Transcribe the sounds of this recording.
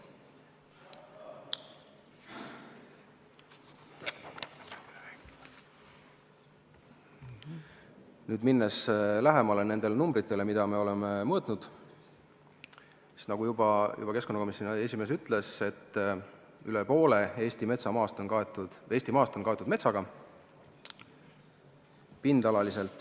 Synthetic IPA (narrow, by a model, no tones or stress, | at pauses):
nyːd̪minːeslæɦemɑlene̞nd̪̥e̞lenumbɾit̪ːˑe̞le̞mid̪̥ɑme̞o̞le̞memɤːt̪ˑnud̪̥ | i̥t̪nɑɡ̥ujubɑjṵbɑkesko̞nːɑko̞misone̞sʲimesyt̪ˑle̞se̞t̪ˑː | ylepo̞ːle̞e̞ːst̪ime̞t̪sɑmɑːst̪o̞nkɑet̪ːu̥eːst̪imɑːst̪o̞nkɑet̪ːˑud̪met̪sɑɡ̥ɑ | pind̪ɑlɑlise̞lt̪ːˑ